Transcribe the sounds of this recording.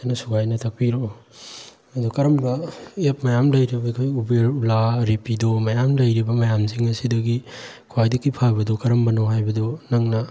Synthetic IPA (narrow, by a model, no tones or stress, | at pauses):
anɐsuɡajnɐtʰɐk̚piɾo | ɐdukɐɾɐmbɐep̚mɐjamlɐjɾibɐkʰojubeɾulaɾepidomɐjamlɐjɾibɐmɐjamsiŋɐsidɐɡi | kʰajdikːipʰabɐdɔkɐɾɐmbɐnoɦajbɐdonɐŋnɐ